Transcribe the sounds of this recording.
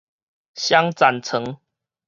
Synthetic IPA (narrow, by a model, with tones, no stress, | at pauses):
ɕja˦ŋt͡sa˨nt͡sʰə˨˦ŋ